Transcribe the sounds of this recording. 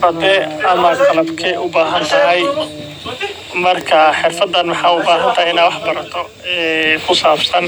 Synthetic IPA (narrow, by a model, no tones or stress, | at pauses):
rɐd̪ɛɐmɐqɐlɐbkʰɛʔʊbaːɦɐnt̪ʰɐɦɐj | mɐrkʰɐħɪrfɐd̪ːɐnmɑħɑːʊbaːɦɐnt̪ʰɐɦajɪnaːwɑħbɐɾɐt̪ʰɔ | ɛːkʰʊsaːbsɐn